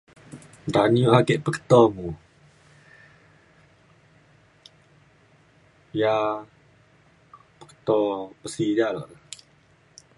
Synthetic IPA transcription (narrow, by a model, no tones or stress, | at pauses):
daniuhaɡeʔpəkə̥t̪ɔmu | ja | pə̥kə̥t̪ɔpəsijalɔ̰ʔ